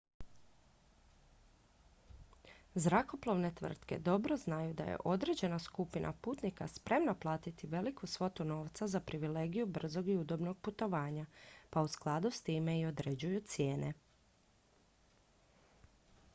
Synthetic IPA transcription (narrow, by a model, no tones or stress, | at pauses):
zɾako̞plˠo̞ʋne̞t̪ʋr̩t̪ke̞̰d̪o̞bɾo̞znajud̪a̰jḛʔo̞d̪ɾe̞d͡ʑe̞naskupinʔa̰puːt̪nika̰spɾe̞mnaplˠaːt̪it̪iʋe̞likʰusʋo̞t̪uno̞ːʋt̪sazapɾiʋile̞ːɡijubr̩zo̞ɡiud̪o̞bno̞ɡ̚put̪o̞ʋaːɲapausklˠad̪ust̪iːme̞io̞d̪ɾed͡ʑujut̪sje̞ːne̞